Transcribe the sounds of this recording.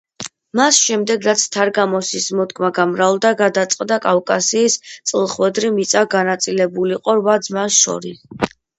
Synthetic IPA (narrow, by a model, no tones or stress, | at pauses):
masʃɛmd̪ɛɡɾat̪sʰt̪ʰaɾɡamɔsismɔt̪kʰʼmaɡamɾalˠd̪aɡad̪at̪sʼqʼd̪akʼafkʼasiːst̪sʼlˠχwɛd̪ɾimit̪sʼaɡanat̪sʼilɛbuliqʼɔɾvad̪zmasʃɔ̰ɾis